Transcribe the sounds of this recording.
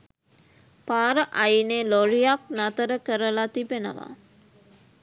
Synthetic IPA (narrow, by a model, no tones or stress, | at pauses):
paːɾəʔajneloɾijaknat̪əɾəkəɾəlat̪ipenə̰ʋa̰